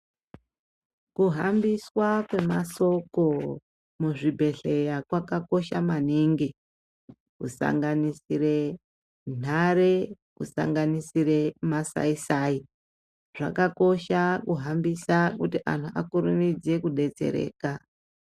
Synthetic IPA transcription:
kuɦambiswakwe̞maso̞ko̞ | muʐibʱe̞ɬe̞jakwakako̞ʃamaniŋɡi | kusa̰ŋɡanisire | n̤ʱaɾe | kusa̰ŋɡanisire̞masa̰isai | ʐ̥a̰kako̞ʃakuɦambisakutiʔa̰n̤uʔakuɾumid͡ze̞kuɗe̞t͡se̞̰ɾe̞̰ːka

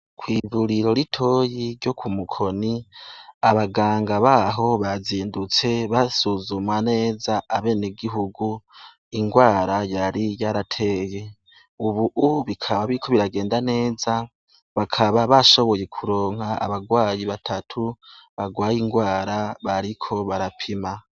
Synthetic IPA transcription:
kwiːvuɾiɾo̞ɾitʰo̞ːjiɾɟo̞kʰumukʰo̞ni | aβaɡaːŋɡaβaɦo̞βaziːndut͡se̞βasuzumwane̞ːzaaβe̞ːneɡiɦuɡu | iŋɡwaːɾajaɾijaɾatʰe̞ːje̞ | uβuʔuβikʰaβaβiɾikʰo̞βiɾaɡe̞ːndane̞ːza | βakʰaβaβaʃo̞βo̞je̞kʰuɾo̞ːŋ̥haa̰βaɡwaːjiβatʰatʰuβaɡwaːjiŋɡwaːɾaβaɾikʰo̞βaɾapʰima

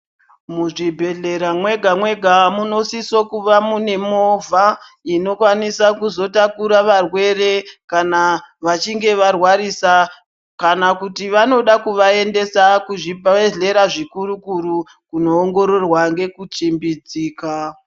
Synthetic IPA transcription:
muʐibʱe̞ɮe̞ɾamwe̞ɡʱamwe̞ɡʱamuno̞sisokuʋamune̞mo̞vʱa | ino̞kwanisakuzo̞takuɾaʋarwe̞re̞kanaʋat͡ʃiŋɡe̞ʋarwaɾisa | kanakutiʋano̞ɗakuʋae̞nde̞sakuʐieɮe̞ɾaʐikuɾukuɾu | kuno̞ːŋɡo̞ɾo̞rwaŋɡe̞kut͡ʃimbid͡ziːka

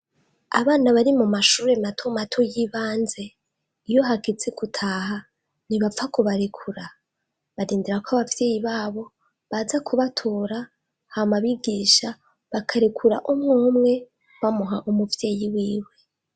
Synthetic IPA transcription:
a̰βaːnaβaɾimumaʃuːɾe̞matʰomatʰojiβaːnze̞ | ijo̞ɦakit͡sekutʰaːha | niβafakuβaɾekʰuɾa | βaɾiːndiɾakʷoaβavje̞ːjiβaːβo̞ | βazakʰuβatʰoːɾa | haomaβiɡiːʃa | βakʰaɾekʰuɾa̰ʔumŋuːmŋe̞ | βamuɦaʔumuvje̞ːjiwiːwe̞

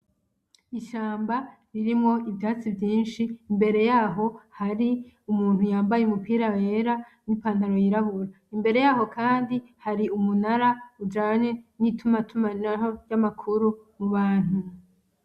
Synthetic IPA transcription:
iʃaːmba | ɾiɾimŋo̞ibjaːt͡sibjiːnʃiːmbe̞ɾe̞jaːɦo̞haɾi | umuːnhujaːmbajeumupiːɾaweɾanipaːndaɾo̞jiɾahuɾa | imbe̞ɾe̞jaːɦo̞kaːndihaɾiumunaɾaud͡ʒaːɲenitʰumatʰumanaɦojamakʰuɾumuβaːn̥hu

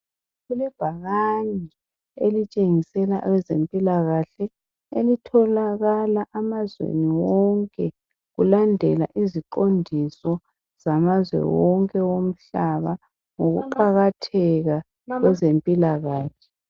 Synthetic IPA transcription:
ɣulɛb̥ʱaɣaɲi | elit͡ʃʼeŋisɛlaʔwɛzempʼilaɣaɬɛ | elitʰɔlaɣalaʔamazwḛniwɔŋkʼɛ | ɣulandʱɛla̰ʔiziǃondʱisɔ | z̥amazwɛ̰wɔŋkʼɛwom̩ɬaβa | ŋoɣṵǃaɣatʰɛɣa | wɛzempʼilaɣaːɬɛ̥

